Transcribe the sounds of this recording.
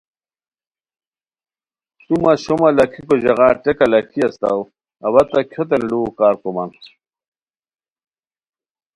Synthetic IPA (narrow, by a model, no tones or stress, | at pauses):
sumaɕomalɐkʰikoʑɐɣaːʈekalɐkʰiɐst̪a̰w | ɐβɐt̪akʰot̪̬enɖukaːɾkoman